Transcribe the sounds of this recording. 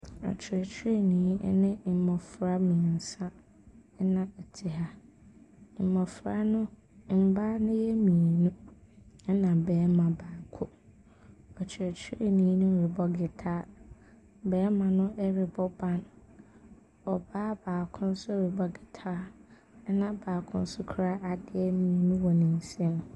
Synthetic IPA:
ɔ̰˨t͡ɕʰɪ˨ɾɛ˨t͡ɕʰɪ˦e˦˨nḭ̃ː˨˦nɪ̃˦m̩˨mɔ̃˨fɾa˦mĩ˨n̩˨sã˦ | nã˨ɛ˨tʰɪ˨ɦa˦ | m̩˨mɔ̃˨fɾa˦nʊ̃˦ | m̩˦ba˦nʊ̃˦jɛ˦mĩ˨nũ˦ | ɛ˦nã˨bɛː˨˦mã˨baː˨kʰʊ˦ | ɔ˨t͡ɕʰɛ˨t͡ɕʰɪ˦ʔɛ˨nĩ˨˦nũ˦˨ɾɪ˨bɔ˦ɡɪ˨tʰaː˦ | bɛː˨˦mã˨nʊ̃˦ʔɛ˦ɾɪ˨bɔ˦bã˦n | ɔ˨baː˦baː˨kʰʊ̃˦n̩˦sʊ˦˨ɾɪ˨bɔ˦ɡɪ˨tʰaː˦ | nã˨baː˨kʰʊ̃˦n̩˦sʊ˦kʰɾa˦ʔa˨dɪ˦ɛ˦mĩː˨nũ˦wɔ˨nĩ˨n̩˨sɛ̃˦m

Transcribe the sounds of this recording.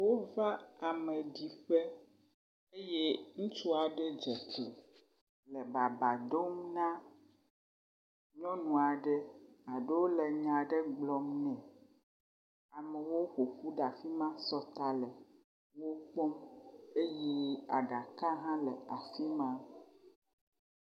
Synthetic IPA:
wo˦va˦a˨me˨ɖi˨ɸe˦ | e˦je˦ŋũ˦t͡ʃu˦a˨ɖe˦d͡ʒɛ˨kle˨ | le˨ba˨ba˨d̪o˦mnã˦ | ɲɔ̃˦nũ˨a˨ɖɛ˦a˨ɖe˦wo˦le˨ɲã˨ɖe˦ɡ͡blɔ˨mnɛ̃˨ | a˨mɛ˨wo˦ɸo˨ɸu˦ɖa˨fi˦mã˦sɔ˦t̪a˨lɛ˨ | wo˦k͡pɔ˦me˦jɛ˦a̰˨ɖa˨ka˦ɦã˦lɛ˨a˨fi˦mã˦

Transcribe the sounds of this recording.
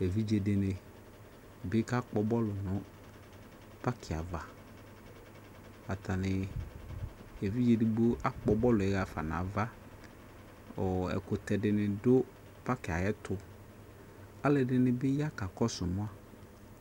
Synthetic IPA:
e˨vi˦d͡ʒe˨dɪ˨nɪ˨ | bɪ˦ka˦k͡pɔ˦bɔ˦lʊ˨nʊ̃˦ | pa˦kʰɪ˨a̰˨va˨ | a˨ta˨nɪ˨ | e˨vi˦d͡ʒe˨dɪ˨ɡ͡bʊ˦a˦k͡pɔ˨bɔ˦lʊ˨ɛ˨˦ɣa˨fa˨na̰˨va˦ | ɔ˨ɛ̰˨kʊ˨t̪ɛ˨dɪ˨nɪ̃˨dʊ˦ | pa˦kɪ˨a˨jɛ˦tʊ˨ | a˦lɪ˨dɪ˨nɪ˨bɪ˦ja˦ka˨kɔ˦sʊ˨mʊ̃˦a˨

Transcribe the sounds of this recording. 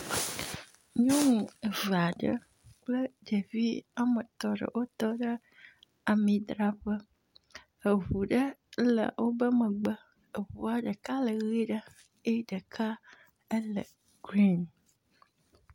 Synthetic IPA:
ɲɔ̃˦nũ˨ə˨və˨a˨ɖə̰˦ | k͡plə˦d͡ʒə˨vi˦a˦mə˨t̪ɔ˦ɖə̰˨wo˦t̪ɔ˦ɖə˦ | a˨mĩ˨d̪ɾa˨ɸə˦ | ə˨vu˨ɖə˦lə̰˨wʔo˦bə˦mə˨ɡ͡bə˦ | ə˨vu˨a˦ɖə˨ka˦lə˨ɣi˦ɖə˦ | e˦ɖə˨kʰa˦ | ə˦lə̰˨ | ɡɾi˦˨n

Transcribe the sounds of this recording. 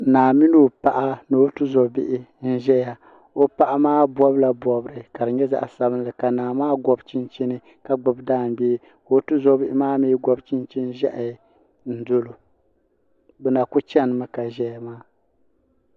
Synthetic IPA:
naː˨mi˦no˦˨pa˨ʔa˦no˨˦tɨ˦zɔ˨bɪ˦ʔɪ˦n̩˦ʒɛ˦ja˨ | o˦pa˨ʔa˦maː˦bɔ˦bla˨bɔ˨bɨ˨ɾɨ˨ka˨ɾɨ˨ɲɛ˦za̰˦ʔa˨sa˦bɨ˦n˦lɨ˨ka˨naː˨maː˦ɡɔ˦bt͡ʃi˦nt͡ʃi˦nɨ˦ | ka˨ɡ͡bɨ˨bdaː˦˨m˨be˦ | o˦tɨ˦zɔ˦bɪ˦ʔɪ˦maː˦miː˦ɡɔ˦bt͡ʃi˦nt͡ʃi˦n˦ʒɛ̰˦ʔ | n̩˦do˦lo˨ | bɛ˨na˨kʊ˦t͡ʃɛ˦nɨ˨ma˨ka˨ʒɛ˦ja˨maː˦

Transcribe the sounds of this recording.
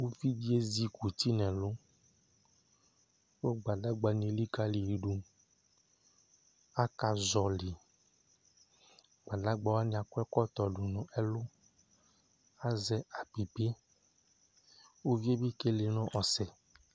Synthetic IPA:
wo˦vi˦d͡ʒi˦e˦zi˦ku˨t̪i˦nɛ̃˨lʊ˦ | wo˦ɡ͡ba˨da˦ɡ͡ba˨nẽ˨˦li˦ka˦li˨ji˨ɖu˨ | a˦ka˨zɔ˨li˨ | ɡ͡ba˨da˦ɡ͡ba˨wa˦nĩ˨a˨kʊ˦ɛ˦kɔ˦t̪ɔ˨ɖʊ˨nɔ̃˨ʔɛ˦lʊ˦ | a˦zɛ˦a˨pi˨pe˦ | wo˦ve˦bi˦ke˦le˨nɔ̃˦ʔɔ˨sɛ˨

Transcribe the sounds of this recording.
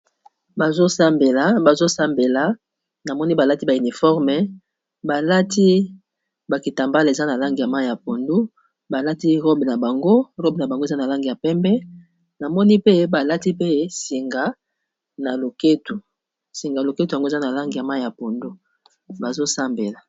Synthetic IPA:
ba˨zo˦sa˦mbe˨la˨ba˨zo˦sa˦mbe˨la˨ | na˨mɔ˦ni˦ba˨la˦ti˦ba˨y˨ni˨fɔ˦ʁmɛ˨ | ba˨la˦tʰi˦ | ba˨ki˨ta˨mba˦le˨za˦na˨la˦ŋɡi˨ja˨ma˦i˨ja˨po˨ndu˦ | ba˨la˦ti˦ʁo˦bna˨ba˨ŋɡo˦ʁo˦bna˨ba˨ŋɡo˦˨za˦na˨la˦ŋɡi˨ja˨pɛ˦mbɛ˦ | na˨mɔ˦ni˦pe˦ba˨la˦ti˦pe˦si˨ŋɡa˨ | na˨lo˨ke˦tu˨ | si˨ŋɡa˨lo˨ke˦tu˨ja˨ŋɡo˦˨za˦na˨la˦ŋɡi˨a˨ma˦˨ja˨po˨ndu˦ | ba˨zo˦sa˦mbe˨la˨

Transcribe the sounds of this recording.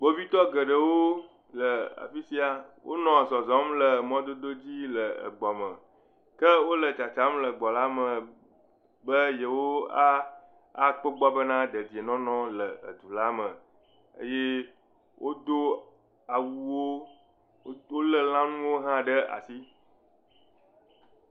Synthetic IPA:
ɡ͡bo˦vi˦t̪ɔ˦ɡə˨ɖə˨wo˦ | lə˨a̰˨fi˦si˦a˨wʔo̰˦nɔ̃˨sɔ˨zɔ˦mlə˨mɔ̃˦d̪o˦d̪o˦d͡ʑi˦lə˨ə̰˨ɡ͡bɔ˨mə˨ | kə˦wo˦lə˨t͡ʃa˨t͡ʃa˦mlə˨ɡ͡bɔ˨la˦mə̃˨ | bə˦jə˨wo˦a˦ | a˨k͡pə˦ɡ͡bɔ˦bə˦nã˦d̪ə˨d̪i˨e˨nɔ̃˦nɔ̃˦lə˨ə̰˨d̪u˨la˦mə̃˨ | ə̰˦je˦ | wʔo˦d̪o˦ | a˨wu˦wo˦ | wo˦lə˦lã˦nũ˦wo˦ɦã˦ɖə˦ʔa̰˨si˦

